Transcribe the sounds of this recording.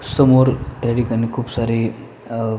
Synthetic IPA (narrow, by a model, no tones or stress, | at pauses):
səmoɾʈɾeɽikanikʰuːpsaɾi